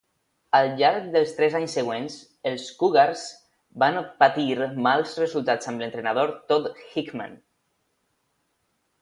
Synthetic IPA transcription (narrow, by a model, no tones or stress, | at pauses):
alʎaɾk̚d̪əlˠst̪ɾɛzaɲsːəɣ̞wens | əlˠskuɣaɾz | banpat̪iɾmalˠzrəzulˠt̪at͡səmlənt̪ɾenaðoɾt̪ot̪xikmã̰n